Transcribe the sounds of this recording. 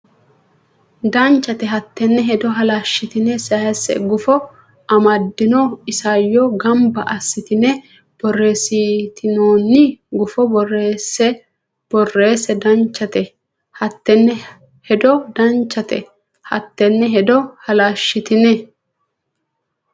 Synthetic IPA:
d̪ɐnt͡ʃːɐt̪ɛɦɐt̪ːɛnːɛɦɛd̪ɔɦɐlaːʃːɪt̪ɪnɛsɐhɐsɛ̰ɡʊfɔ | ɐmɐd̪ːɪnoɪsajːɔɡɐmbɐʔɐsːɪt̪ɪnɛ | b̥ɔrːe̞ːsit̪ɪnoːnːɪɡʊfɔbɔresɛ | b̥ɔrːe̞ːsɛd̪ɐnt͡ʃːɐt̪ɛ | hɐt̪ːɛnːɛ | hɛd̪ɔd̪ɐnt͡ʃːɐt̪ɛ̰ | hɐ̰t̪ːɛnːɛɦɛd̪ɔhɐlaːʃːɪt̪ɪnɛ

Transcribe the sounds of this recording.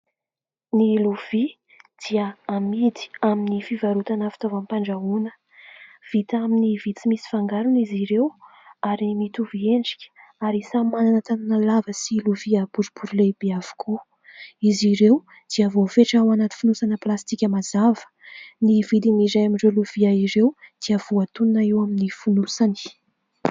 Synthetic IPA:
niluv̥i | d̪̥iəamid̪i̥aminifivaɾut̪anafi̥t̪avampaɳɖ͡ʐaunə̥ | v̥it̪aminivit̪imisi̥faŋɡaɾuniziɾew | aɾimit̪uvieɳɖ͡ʐikʲə̥aɾisamananət̪ananəlavəsiluviab̥uɾubuɾlebeav̥u̥kʰu | iziɾew | d̪̥iavofeʈ͡ʂawanat̪i̥funusanəplast̪ikʲəmazavə̥ | nivid̪imizajamiɳɖ͡ʐeluv̥iaiɾewd̪̥iav̥uat̪ununaiwaminifunusani̥

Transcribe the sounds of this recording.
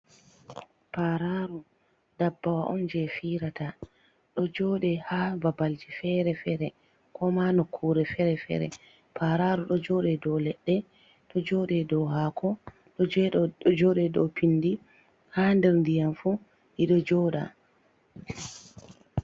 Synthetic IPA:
paɾaɾu | dabːawaʔɔ̰nd͡ʒɛfiɾata | ɗɔd͡ʒɔɗɛhaːbabald͡ʒifɛɾɛfɛɾɛ | kʰɔmanɔkʰːuːɾɛfɛɾɛfɛ̰ɾɛ̰ | pʰaɾaɾuɗɔd͡ʒɔɗɛdɔlɛɗːɛ | ɗɔd͡ʒɔːɗɛdɔɦakʰɔ | ɗɔd͡ʒɛɗd͡ʒɔɗɛdɔ̰pʰinːdi | handɛɾndijanfu | ʔiɗɔd͡ʒɔːɗa̰

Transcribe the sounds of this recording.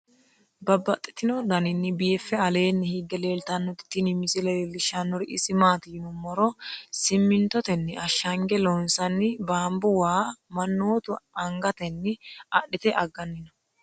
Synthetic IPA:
bɐbːɐt̪ʼːɪ̥t̪ɪnɔd̪ɐnɪnːɪbɪjɛfːɛɐleːnːɪhiɡːɛle̞ːlt̪ɐnːɔt̪ɪ̥t̪ːɪnɪmɪsɪlɛlɪʃːɐnːɔɾɪʔɪsɪmaːt̪iːnɔmːɔɾɔsɪmːɪnt̪ɔt̪ɛnːɪɐʃːɐŋɡɛlɔnsɐnːɪbaːmbʊwaːmɐnːoːt̪ʊɐŋɡɐt̪ɛnːɪɐɗɪt̪ɛʔɐɡːɐnːɪnɔ

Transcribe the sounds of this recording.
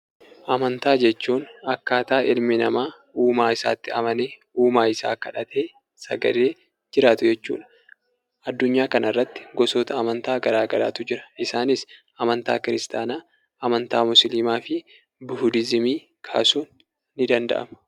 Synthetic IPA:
ʔɐmɐnt̪aːd͡ʒɛt͡ʃːuːnɐkːaːt̪aːʔɪlmɪnɐmaː | uːmaːɪsa̰ːt̪ːɪɐmɐneː | uːmaːɪsa̰ːkːɐᶑɐt̪ʰeː | sɐɡɐ̰ɾeː | d͡ʒɪɾaːt̪ʊd͡ʒɛt͡ʃːṵːᶑɐ̥ | ʔɐd̪ːʊɲːaːkɐnʔɐrːɐt̪ːɪ̥ɡɔsoːt̪ɐːmɐnt̪aːɡɐɾaːɡɐla̰ːt̪ʊd͡ʒɪɾɐ̥ʔɪsaːnɪs | ɐmɐnt̪a̰ːkɪɾɪst̪ʰaːnaː | ʔɐmɐnt̪aːmʊsliːmaːfɪ | bʊhʊd̪ɪzɪmiː | kʰa̰ːsuːnː | ɪd̪ɐnd̪ɐ̰ʔɐ̰mɐ̥

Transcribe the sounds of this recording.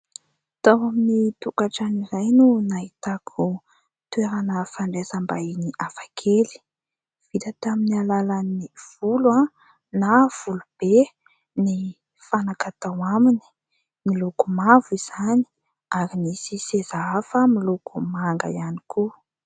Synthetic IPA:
t̪awaminit̪ukaʈ͡ʂanizajnunaɦit̪akʰu | t̪weɾanəfaɳɖ͡ʐezambainiʔafakʰeli̥ | v̥it̪at̪aminialalaniniv̥ulwa | nav̥ulub̥e | ni | fanakat̪awamini̥ | nilukumaviz̥ani̥ | aɾinisisezaafəmilukʰumaŋɡa̰ianiku

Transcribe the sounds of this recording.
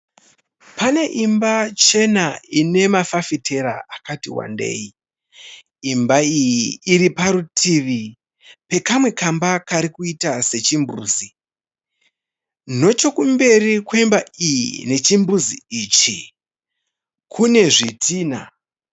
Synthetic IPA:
pane̞ʔimbat͡ʃe̞naine̞mafafitʰe̞ɾaʔakatiwa̰nde̞̰ːi | mbaijiːɾipaɾutʰiʋi | pe̞kamwe̞kambakaɾikuitase̞t͡ʃimbṵːzi | no̞t͡ʃo̞kumbe̞rikweimbaijḭne̞t͡ʃimbuziit͡ʃi | kʰune̞ʐitʰiːna̰

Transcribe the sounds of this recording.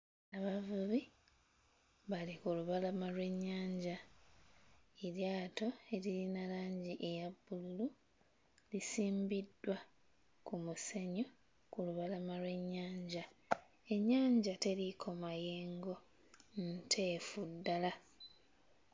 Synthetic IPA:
aβavuβi | βalikuluβalamalwe̞ɲːaːɲɟa | iɾjaːto̞e̞liɾinalaːɲɟiʔe̞jabːululu | lisiːmbidːwa | kumuseɲo | kuluβalamalwe̞ɲːaːɲɟa | e̞ɲːaːɲɟate̞likʰo̞maje̞ːŋɡo̞ | ntʰe̞ːfudːala

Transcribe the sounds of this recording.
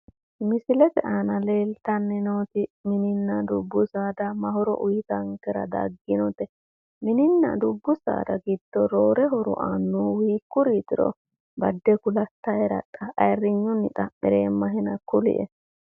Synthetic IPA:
mɪsɪlɛt̪ɛʔaːnɐle̞ːlt̪ɐnːɛnoːt̪ɪmɪnɪnːɐd̪ʊbːʊsaːd̪ɐmɐhɔɾɔ̰ʔʊjɪt̪ɐŋkɛɾɐ̰d̪ɐ̰ɡːɪnɔt̪ɛ | mɪnɪnːɐ̰d̪ʊbːʊsa̰ːd̪ɐɡɪd̪̥ːɔɾoːɾɛɦɔɾɔ̰ʔanːuːwiːkːʊɾiːt̪ɪɾɔ̰ | bɐd̪ːɛkʊlɐt̪ːɐɛɾɐ̰t̪ʼːɐʔɐjrːɪɲːʊnɪt̪ʼɐmɛɾeːmːɐɦɛnɐkʊlɪ̰ʔɛ̰

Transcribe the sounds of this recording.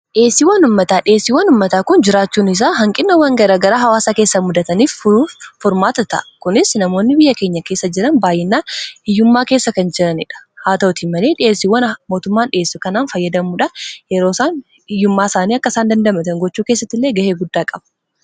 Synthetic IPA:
ᶑe̞ːsːiwɐnʊmːɐt̪aːᶑɪeːsːiːwɐnʊmːɐt̪aːkʊnd͡ʒɪɾaːt͡ʃːuːnɪs̬aːɦɐŋkʼɪnːɐwɐŋɡɐɾaːɡɐɾaːɦɐwaːsake̞ːsːɐmʊd̪ɐt̪ɐniːfufɔɾmaːt̪ɐt̪ɐ̰ʔkʊnɪsnɐmo̞ːnːɪbɪjːɐke̞ːɲːɐke̞ːsːɐd͡ʒɪɾɐnbaːjːɛnːaːhɪjːʊmːaːke̞ːsːɐkɐnd͡ʒɪɾɐnɪᶑɐ̥haːt̪ɐɔt̪iːmɐleːᶑɪeːsːiwɐnmo̞ːt̪ʊmːaːnᶑɪeːsːʊkɐnaːnfɐjːɐd̪ɐmuːᶑɐjɛɾo̞ːsaːn | ɪjːʊmːaːsaːniːɐkːɐsaːnd̪ɐnd̪ɐmɐt̪ɐŋɡɔt͡ʃːuːkeːs̬ːɐt̪ːɪlːeːɡɐheːɡʊd̪ːaːkʼɐb̥

